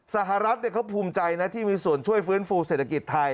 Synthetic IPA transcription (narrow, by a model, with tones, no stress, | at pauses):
sa˧˩ɦa˨ɾa˦˥t̪̚nɛ˦˥˩kʰa˦˥wpʰuː˧mt͡ɕa˧jna˦˥t̪ʰiː˥˩miː˧su˨˩ənt͡ɕʰu˥˩əjfɯː˦˥nfuː˧se˨˩t̪ʰːa˧ki˨˩t̪ʰːa˧j